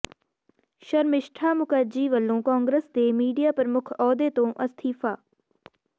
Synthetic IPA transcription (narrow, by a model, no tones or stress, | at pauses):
ʃəɾmɪʃʈʰaːmʊkəd͡ʒiːʋəlːõːkãːŋɡɾəsd̪eːmiːɖijaːpəɾəmʊkʰɔːd̪eːt̪õːʔəst̪ʰiːfʰaː